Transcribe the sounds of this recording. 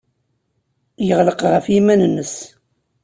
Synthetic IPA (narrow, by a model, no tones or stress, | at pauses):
jəʁləqʁəfjimænənːəs